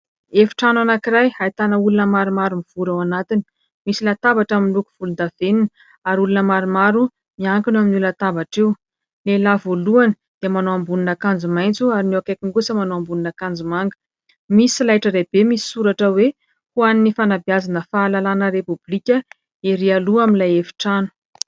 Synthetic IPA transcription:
efi̥ʈ͡ʂananakiɾajajt̪anəulunəmaɾumaɾumiv̥uɾewanat̪ini̥ | misilat̪abaʈ͡ʂaminluku̥v̥ulund̪av̥eninə | aɾulunəmaɾumaɾu | miaŋkunaminulat̪abaʈ͡ʂew | lelavoluanə | d̪̥iəmanoambuninakand͡zumajnt͡suaɾinewakajkʲiŋɡusəmanoambuninakand͡zumaŋɡə̥ | misilajʈ͡ʂəɾeb̥emisi̥suɾaʈ͡ʂəwe | huaninifanabiazanəfaːlalanəɾepublikʲə | eɾialuaminlajefi̥ʈ͡ʂanu̥

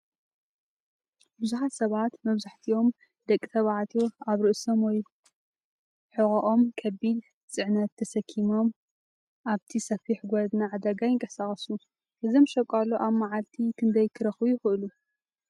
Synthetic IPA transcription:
bɨzuħat̪sɐβat̪mɐβzaħt̪ʰio̞m | d̪̥ɐkʼːit̪ʰɐβaʕat̪ʰoaβɾɨʔsomwɔj | ħɨɣʼɐʔo̞mkʰɐbid̪ | t͡sʼɨʕnɐt̪ʰːɐsɐkʰːimo̞m | ʔaβt̪ʰisɐfiħɡʷɔd̪naʕad̪ɐɡajɪŋkʼɐsaχʼɐsu | ʔɨzimʃɐkʼaloʔaβmaʕalt̪ʰikʰɨnd̪ɐjkʰɨɾɐxbujɪxɨʔɨlu

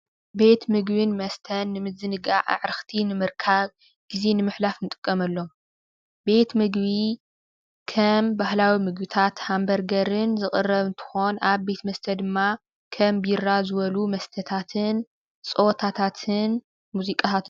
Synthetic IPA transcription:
be̞t̪mɨɡbɨnmɐst̪ʰɐnːɨmɨzɨnɨɡaʕa̰ʕɾɨxt̪ʰinɨmɨɾkʰaβ | ɡ̥ize̞nɨmɨħlafnɨt̪ʼɨ̥kʼːɐmɐlːo̞m | be̞t̪mɨɡβi | kʰɐmbahlawimɨɡ̚bit̪ʰat̪hambɐɾɡɐɾɨnzɨxʼɨrːɐβɨnt̪ʰɨ̥xo̞naβbe̞t̪mɐst̪ʰɐd̪ɨmːa | kʰɐmbjɪrːazɨβɐlumɐst̪ʰɐt̪ʰat̪ʰɨn | t͡sʼot̪ʰat̪ʰat̪ʰɨn | muzikʼat̪ʰat̪

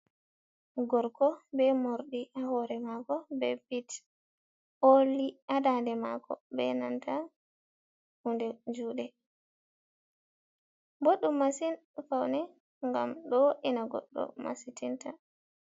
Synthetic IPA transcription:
ɡɔɾkɔbɛmoɾɗiʔahɔɾɛmakɔbɛ̰pit | oliadandɛma̰kɔ̰bɛ̰nanta | hundɛd͡ʒuːɗɛ | boɗːumːasinfawnɛ | ŋɡamɗɔʔinaɡɔ̰ɗːɔ̰ma̰sitinta

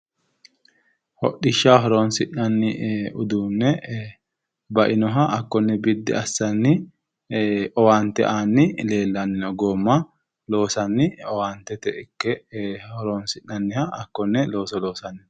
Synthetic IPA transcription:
hɔ̰ɗːɪʃːaːɦɔɾoːnsɪʔɐnːɪʊd̪uːnːɛ | bɐʔɪnɔɦɐʔːkːɔnːɛbɪd̪ːɪ̰ɐsːɐnːɪ | ɔwaːnt̪ɛ̰ʔaːnːɪle̞ːlːɐnːɪnɔɡoːmːɐ | lo̞ːsɐnːɪɔwaːnt̪ɛt̪ɛʔɪkːɛhɔɾoːnsɪʔɐnːɪhɐʔɐkːɔnːɛlo̞ːsɔlo̞ːsɐnːɪ

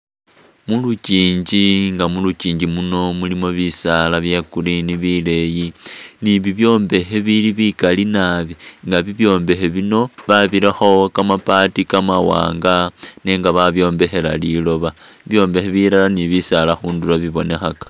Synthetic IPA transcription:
muluciːɲd͡ʒiŋɡamulut͡ʃiːɲd͡ʒimuno̞mulimo̞βisalaβjekuɾiniβile̞jiniβiβjo̞ːmbe̞xe̞βiliβikalinaβiŋɡaβiβjo̞ːmbe̞xeβino̞βaβiɾaxokamapatikamawa̰ːŋɡane̞ːŋɡaβaβjo̞ːmbe̞xe̞lalilo̞βaiβjo̞ːmbe̞xeβilalaniβisalaxuːndulaβiβo̞ne̞xakḁ

